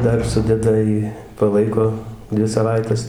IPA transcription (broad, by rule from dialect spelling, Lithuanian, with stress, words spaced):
ˈdɐr ˈsʊdʲɛdɐ ˈjiː pɐˈlˠɐɪkoː ˈdʲʋʲɪ sɐˈʋɐɪtʲɛs